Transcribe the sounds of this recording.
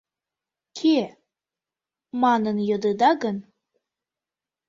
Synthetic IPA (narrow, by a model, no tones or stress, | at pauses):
kʰe | mɑnənjɤd̪əd̪ɑɣən